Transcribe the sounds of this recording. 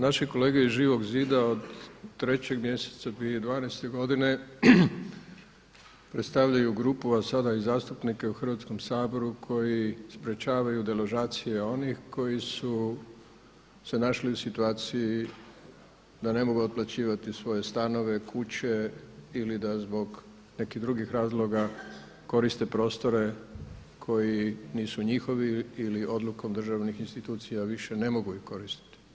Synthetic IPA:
naʃiko̞le̞ːɡeizʒiːʋo̞ɡziːd̪aod̪t̪ːɾe̞t͡ɕeɡmje̞se̥t̪sapied̪ʋaːnajst̪e̞ɡo̞d̪ine̞ | pɾet̪st̪aʋʎajuɡɾuːpuasad̪aizaːst̪upnike̞uxr̩ʋat̪sko̞msaːbo̞ɾukʰo̞jispɾe̞t͡ɕaːʋajud̪e̞loʒaːt̪sije̞o̞nixko̞jisu | se̞naʃliusit̪uaːt̪siji | d̪ane̞mo̞ɡuot̪̚plˠat͡ɕiːʋat̪isʋo̞je̞st̪ano̞ʋe̞kʰut͡ɕe̞ilid̪azbo̞ɡ | ne̞kid̪ɾuɡixɾaːzlˠo̞ɡa | ko̞ɾist̪e̞pɾo̞ːst̪o̞ɾe̞ | kʰo̞jiniːsuɲixo̞ʋiiliʔo̞d̪luko̞md̪r̩ʒaʋnixinst̪it̪uːt̪sijaʋiʃe̞ne̞mo̞ɡuixko̞ɾist̪i̥t̪i̥

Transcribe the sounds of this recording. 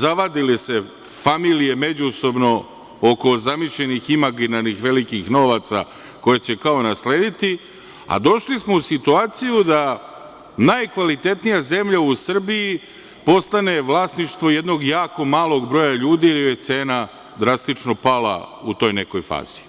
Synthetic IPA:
zaʋad̪ilese̞ | familijeme̞d͡ʑuso̞bno̞ | oko̞zamiʃʎe̞niximaɡinaɾnixʋe̞likixno̞ʋat̪sa̰ | ko̞jet͡ɕe̞kaonasle̞ːd̪it̪i | a̰d̪o̞ʃlismo̞usit̪uaːt̪sijud̪a | najkʋalit̪e̞t̪nijaze̞mʎausr̩bii | po̞st̪ane̞ʋlˠaːsniʃt̪ʋoje̞d̪no̞ɡjaːko̞maːlˠo̞ɡbɾo̞jaʎuːd̪iːliet̪seːna | d̪ɾast̪it͡ʃno̞pala̰ut̪o̞ːjne̞ko̞jfa̰ːz̥i̥

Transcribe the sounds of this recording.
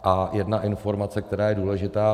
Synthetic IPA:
ʔajɛdnaʔɪnfo̞ɾmat͡sɛk̚t̪ɛɾaːjɛduːlɛʒɪt̪aː

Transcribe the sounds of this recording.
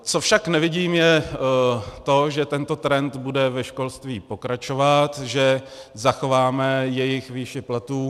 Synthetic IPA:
t͡sofʃaknɛvɪɟiːmjɛ | t̪o̞ʒɛt̪ɛnt̪o̞t̪ɾɛnt̪budɛvɛʃko̞lst̪viːpo̞kɾat͡ʃo̞vat̪ʒɛ | zaxo̞vaːmɛjɛjɪxviːʃɪplat̪uː

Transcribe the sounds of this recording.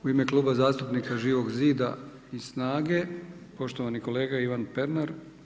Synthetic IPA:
uime̞klˠuːbazaːst̪upnikaʒiːʋo̞ɡziːd̪a̰ | isnaːɡe̞po̞ʃt̪oʋaniko̞le̞ːɡaiʋanpe̞ɾnaɾ

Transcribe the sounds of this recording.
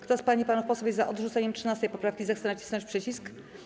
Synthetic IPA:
kt̪ɔaspaɲipanufpɔsɔvʲjɛzzaʔɔd̪ʐut̪sɛɲɛmtʂɨnast̪ɛjpɔpɾafkʲizaxt̪sɛnat͡ɕi̥sɔt͡ɕpʂɛt͡ɕisk

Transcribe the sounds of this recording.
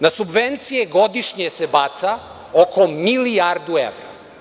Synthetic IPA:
nasubʋent̪sijeɡod̪iʃɲesebat̪sa | okʰomilijaɾd̪uḛʋɾa̰

